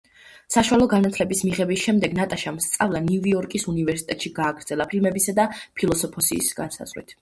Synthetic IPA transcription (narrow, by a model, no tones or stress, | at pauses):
saʃuwalˠɔɡanat̪ʰlɛbismiʁɛbisʃɛmd̪ɛɡnat̪ʼaʃamst̪sʼavlˠaniviɔɾkʼisunivɛɾsi̥t̪ʼɛt̪ʼʃiɡaːɡɾd̪z̥ɛlˠapʰilmɛbisad̪apʰilˠɔsɔpʰɔsḭsɡ̥ansa̰z̥ʁwḭt̪ʰ